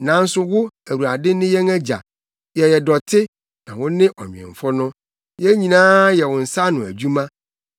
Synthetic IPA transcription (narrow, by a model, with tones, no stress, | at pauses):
nã˨˦n̩˦sʊ˦wʊ˦æ˨ɾu˨a˨dɪ˦nɪ̃˦jɛ˦ŋɛ˦d͡ʑa̰˨ | jɛ˨jɛ˨dɔ˨tʰɪ˦ | nã˨wʊ̃˦nɪ̃˦ʔɔ˨m̰̃˨ɛ̰̃˨ɱ˨fɔ˦nʊ̃˦ | jɛ˦ɲĩ˨nãː˦jɛ˨wʊ̃˨n̩˨sa˦nʊ̃˨æ̰˨d͡ʑu˦mã˦